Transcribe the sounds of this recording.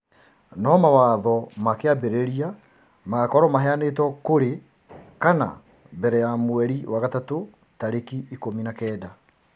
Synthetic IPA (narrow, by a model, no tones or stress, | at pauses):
nɔmawaðɔmakeabeɾeɾia | makɔɾɔmaɦɛanetwɔkoɾe | kana̰ | bɛɾɛjamwɛɾiwaɣatato | taɾekiʔikominakɛːda